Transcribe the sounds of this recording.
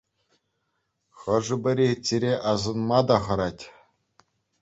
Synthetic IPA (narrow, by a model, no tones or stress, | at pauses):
χɤ̆ʐɤ̆bɘ̆ɾʲet͡sʲeɾʲeʔɑzɤ̆nmɑd̪ɑχɤ̆ɾɑtʲ